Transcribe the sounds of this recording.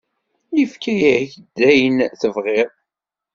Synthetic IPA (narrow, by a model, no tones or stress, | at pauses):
jəfkæjæçd̪ːæjənθəvʁɪðˤ